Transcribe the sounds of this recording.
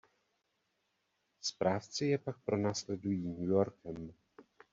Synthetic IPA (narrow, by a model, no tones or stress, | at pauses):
spɾaːft͡sɪjɛpak̚pɾo̞naːslɛdujiːɲujoɾkɛm